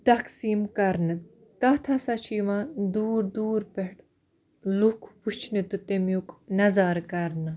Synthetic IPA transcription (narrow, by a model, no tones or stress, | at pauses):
t̪ɐksiːmkɐɾnɨ | t̪ɐt̪ʰɐsɐt͡ʃʰiːʋãːd̪uːɾd̪uːɾpeʈ | lukʰput͡ʃʰnɨt̪ɨt̪emjuknɐzaːɾkɐɾnɨ